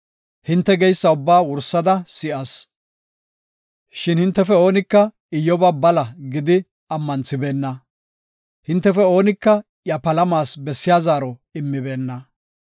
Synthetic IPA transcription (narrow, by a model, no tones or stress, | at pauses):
hɪnt̪ːɛɡɛjsːɐʊbːaːwʊɾsːɐd̪ɐsɪʔɐs | ʃɪnhɪnt̪ːɛfɛo̞ːnɪkːɐ | ɪjːɔbɐbɐlɐɡɪd̪ɪ | ɐmːɐnt͡sːɪbe̞ːnːɐ | hɪnt̪ːɛfɛo̞ːnɪkːɐ | jɐpɐlɐmaːsbɛsːɪjaːzaːɾɔɪmːɪbe̞ːnːɐ